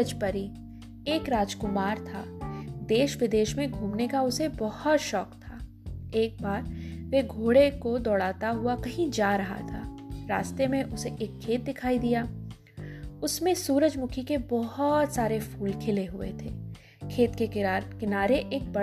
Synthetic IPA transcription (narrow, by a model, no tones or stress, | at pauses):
d͡ʒpɐɾi | eːkɾaːd͡ʒkʊmaːɾt̪ʰa̰ːd̪eːʃʋɪd̪eːʃmẽɡʱuːmnekaʊsebɔhɔt̪ʃɔːkt̪ʰaː | eːk̚baːɾʋeɡʱoːɽekod̪ɔːɽaːt̪aɦʊakɐɦĩd͡ʒaːɾɐɦa̰t̪ʰa̰ːɾa̰ːst̪emẽʔʊseʔeːkʰːeːt̪̚d̪ɪkʰaːid̪ijaː | ʊsmẽsuːɾəd͡ʒmʊkʰikebɔɦɔt̪saːɾefuːlkʰɪleɦʊḛt̪ʰḛː | kʰeːt̪kekɪnaːɾeʔeːk̚bɐ